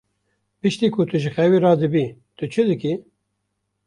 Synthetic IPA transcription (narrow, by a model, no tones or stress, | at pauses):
pɨʃt̪iːkʰʊt̪ʰɨʒɨxɛwiːɾɑːd̪ɨbiːt̪ʰʊt͡ʃʰɨd̪ɨki